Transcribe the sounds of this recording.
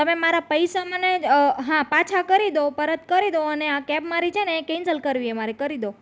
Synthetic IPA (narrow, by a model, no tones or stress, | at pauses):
t̪əmemaɾapəjsaməneɦãpat͡ʃʰakəɾid̪opəɾət̪̚kəɾid̪oəneakɛbmaɾit͡ʃʰenekẽnsəlkəɾʋiemaɾikəɾid̪o